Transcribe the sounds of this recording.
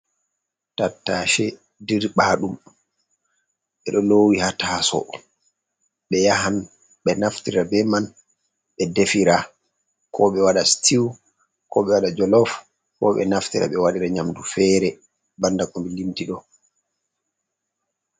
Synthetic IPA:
tatːaʃɛ | diɾɓaɗum | ɓɛɗɔlowihataːsɔ̰ | ɓɛjaɦan | ɓɛnaftiɾabɛman | ɓɛdefiɾa | kʰɔɓɛwaɗastʰiw | kɔɓɛwaɗad͡ʒɔlɔf | kɔ̰ɓɛ̰naftiɾa̰ɓɛwaɗiɾaɲamdufɛːɾɛ | bandakɔmbilintiɗɔ

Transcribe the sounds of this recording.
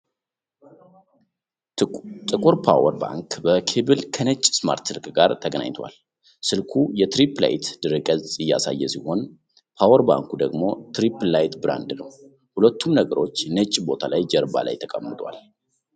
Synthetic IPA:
t̪ʼɨkʼuɾpʰawəɾba̰ŋkbəkʰebɨlkʰənət͡ʃʼːsma̰ɾt̪sɨlkɡaɾt̪ʰəɡəna̰ɲt̪ʰwa̰l | sɨlkʰujɛt̪ɾipla̰jt̪d̪̥ɨɾɨkʼəzʼɨjːa̰sa̰jːɛsiho̞n | pʰawəɾba̰ŋkud̪əɡmo̞t̪ɾiplajt̪bɨɾa̰nd̪nəw | hulət̪ʰːumnəɡəɾo̞t͡ʃːnət͡ʃʼːbo̞t̪ʰalajd͡ʒəɾba̰la̰jt̪ʰəkʼəmːɨt̪ʼwa̰l

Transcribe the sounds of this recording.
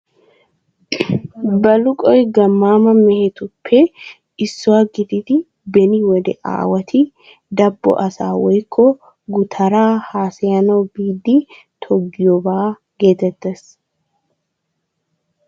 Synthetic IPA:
bɐlʊkʼɔjɡɐmːaːmɐmɛhɛt̪ʊpʰːɛ | ɪsːɔwaɡɪt̪ɪt̪ɪ | bɛnɪwɔd̪ɛ̰ʔa̰ːwɐt̪ʰɪ | d̪ɐbːɔ̰ʔɐsa̰ːwɔjkʰːɔ | ɡʊt̪ʰɐɾaːhaːsɛjɐnɐwbiːd̪ːɪ | t̪ʰɔɡːɪjɔbaː | ɡ̥e̞ːt̪ɛt̪ːes

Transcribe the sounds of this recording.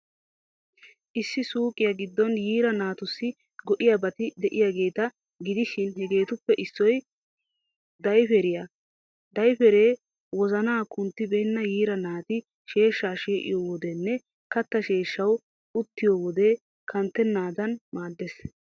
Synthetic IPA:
ʔɪsːɪsuːkʼɪjɐɡɪd̪ːɔnjiːɾɐnaːt̪ʊsːɪ | ɡɔʔɪjabɐt̪ɪd̪ɛʔɪjaːɡe̞ːt̪ɐ | ɡɪd̪ɪʃɪnɦɛɡe̞ːt̪ʊpːɛʔɪsːɔj | d̪ɐjfɛɾɪja | d̪ɐjfɛɾeː | wɔzɐnaːkʊnt̪ːɪbɛːnːɐjiːɾɐnaːt̪ɪ | ʃe̞ːʃːaːʃeːʔɪ̰joːwɔd̪ɛnːɛ | kɐt̪ːɐʃe̞ːʃːɐw | ʊt̪ːɪjoːwɔd̪e̞ː | kʰɐnt̪ːɛnːaːd̪ɐnmaːd̪ːes

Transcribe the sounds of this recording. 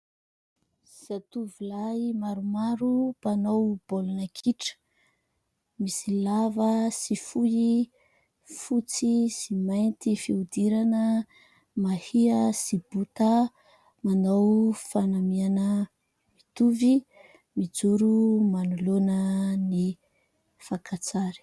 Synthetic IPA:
sat̪uvilaimaɾumaɾupanowb̥olunakʰiʈ͡ʂə̥ | misilavəsifuji | fut͡sisimajnt̪ifiud̪iɾanə | mahiəsibut̪a | manowfanamianə | mit̪uvi | mid͡zuɾumanulonəni | fakat͡saɾi̥

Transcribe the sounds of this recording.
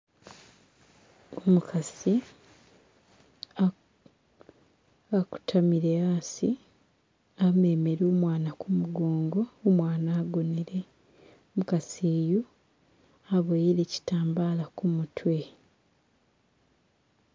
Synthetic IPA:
omukʰasi | aku̥tʰamiɾeasi | ame̞meɾoːmwaːnakumuɡoːŋɡo̞ːmwaːnaːɡoneɾe̞ | omukasiːju | aβojiɾe̞ːci̥taːmbaːlakumutʰwe̞

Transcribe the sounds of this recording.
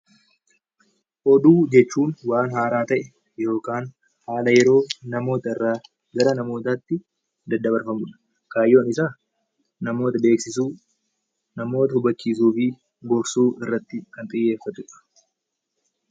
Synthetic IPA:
ʔɔd̪uːd͡ʒɛt͡ʃːuːnwaːnɦaːɾaːt̪ɐʔɛ | jo̞ːkaːn | haːlɐjɛɾo̞ːnɐmo̞ːt̪ɐɪrːaː | ɡɐɾɐnɐmo̞ːt̪aːt̪ːɪ | d̪ɐd̪ːɐbɐɾfɐmʊᶑɐ̥ | kaːjːo̞ːnɪsaː | nɐmo̞ːt̪ɐbe̞ːksɪsuː | nɐmo̞ːt̪ɐhʊbɐt͡ʃːiːsuːfɪ | ɡɔɾsuːɪrːɐt̪ːɪkɐnt̪ʼɪjːe̞ːfːɐt̪ʊᶑɐ̥

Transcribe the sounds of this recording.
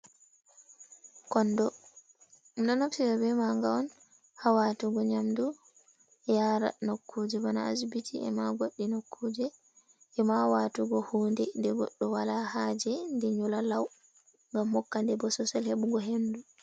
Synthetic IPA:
kɔndɔ | dɔnofsiɾabɛmaŋɡawɔn | hawatuɡɔɲamdu | jaɾa̰nokʰːud͡ʒɛbana̰asbitʰiɛ̰maɡoɗːinokʰːud͡ʒɛ | ʔɛmawatuɡɔhuːndɛndɛɡɔ̰ɗːɔwalahad͡ʒɛndɛɲulalaw | ŋɡamhɔkːandɛbɔsɔsɛlheɓuɡɔɦendu

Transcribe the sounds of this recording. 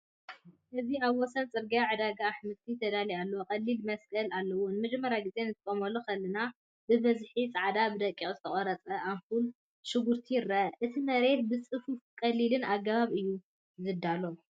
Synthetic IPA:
ʔɨziaβwɔsɐnt͡sʼɨɾɡjaʕɨd̪aɡaːħmɨt̪ʰit̪ʰɐd̪alialːɐwokʼɐlːilmɐskʼɐlalːɐwunɨmɐd͡ʒmːɐɾjaɡizʼe̞nɨt̪ʰɨkʼomɐlokʰɐlːɨna | bɨβɐzħit͡sʼaʕd̪abɨd̪ɐkʼːiʔʼzɨt̪ʰɐχʼɔɾɐt͡sʼɐʔamkul | ʃɨɡuɾt̪ʰijɾɐʔɨt̪ʰimɐɾe̞t̪̚bɨt͡sʼɨfufkʼɐlːilɨnaɡaβaβɨjːu | zɨd̪ːalo

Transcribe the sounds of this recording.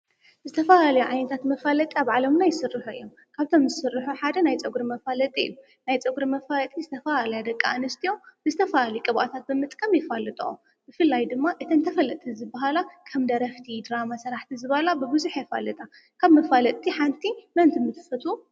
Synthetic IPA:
zɨt̪ʰɐfalalɐjuʕajnɐt̪ʰat̪mɐfalɐt̪ʼiaβʕalɐmnajɪsɨrːiħuɨjːom | kʰaβt̪ʰomzɨsɨrːɨħuħad̪ɐnajt͡sʼɐɡɾimɐfalɐt̪ʼiɨ̰ju | najt͡sʼɐɡuɾimɐfalɐt̪ʼizɨt̪ʰɐfalalɐjad̪ɐkʼːa̰anɨst̪ʰijob̥ɨzɨt̪ʰɐfaalikʼɨβʔa̰t̪ʰat̪̚bɨmɨt̪ʼkʼɐmjɪfalːɨt̪ʼṵʔo | b̥ɨfɨlːajd̪ɨmːaʔɨt̪ʰɐnt̪ʰɐfɐlɐt̪ʼʰːizɨbːaɦalakʰɐmd̪ɐɾɐft̪ʰid̪ɾamasɐɾaħt̪ʰizɨβɐlabɨbɨzuħjɛfa̰lɨt̪ʼa | kʰaβmɐfalɐt̪ʼt̪ʰʼːiħant̪ʰimɐnt̪ʰɨmɨt̪ʰɨ̥fɐt̪ʰu

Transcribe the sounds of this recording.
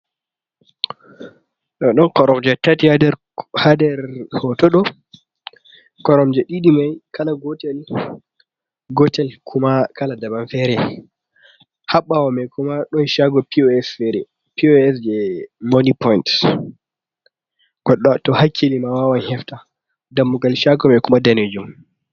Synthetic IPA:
ɗɔɗɔnkɔɾɔmd͡ʒɛtatihadɛɾ | hadɛɾhɔtɔɗɔ | kɔɾɔmd͡ʒɛɗiɗimajkalaɡɔtɛl | ɡɔtɛlkʰumakaladabanfɛɾɛ | haɓːawɔmɛkumaɗɔnʃaɡɔpiɛsɛɾɛ | piɔɛsd͡ʒɛmonipɔjnt | kɔɗtɔhakʰːilimawawanhɛfta | damːuɡalʃaɡɔmɛkumadaned͡ʒum

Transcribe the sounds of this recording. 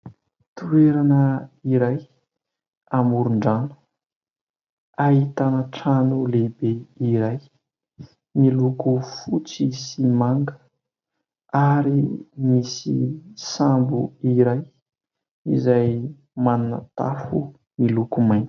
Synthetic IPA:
t̪ueɾanəiɾaj | amuɾuɳɖ͡ʐanu̥ | ait̪anaʈ͡ʂanulebeiɾaj | milukufut͡sisimaŋɡə | aɾimisisambuiɾaj | izaj | manuna̰t̪a̰fu | milukumajn

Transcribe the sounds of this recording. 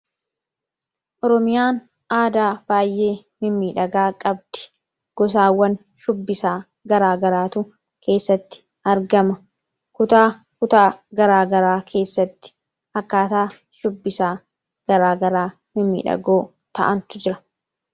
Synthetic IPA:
ʔɔɾɔmɪjaːn | ʔaːd̪aːb̥aːjːʔe̞ːmɪmːiːᶑɐɡaːkʼɐb̚d̪̥ɪ̥ | ɡ̥ɔs̬aːwːɐn | ʃʊbːɪsaː | ɡɐɾaːɡɐɾaːt̪ʊ | kʰe̞ːsːɐt̪ːɪ̥ | ɐɾɡɐmɐ | kʊt̪aː | kʊt̪aːɡɐɾaːɡɐɾaːkʰe̞ːsːɐt̪ːɪ̥ | ɐkːaːt̪aː | ʃʊbːɪsaː | ɡ̥ɐɾaːɡɐɾaː | mɪmːḭːᶑɐ̰ɡoː | t̪ɐ̰ʔɐnt̪ʊd͡ʒɪɾɐ

